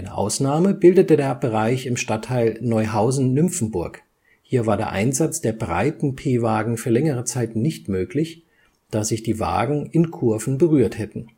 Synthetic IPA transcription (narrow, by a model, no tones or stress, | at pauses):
ʔaɪnəʔa̰ʊsnaːməbɪldətədeːɐbəʁaɪçɪmʃtatʰːaɪlnɔʏɦaʊzn̩nʏmp͡fn̩bʊɐk | hiːɐvaːɐdeːɐʔa̰ɪnzat͡sd̥eːɐbʁa̰ɪtn̩pʰeːvaːɡŋ̩fyːɐlɛŋəʁ̞ət͡saɪtnɪçtmøːklɪç | d̥aːz̥ɪçd̥iːva̰ːɡŋ̩ɪnkʰʊɐvn̩bəʁyːɐthɛtn̩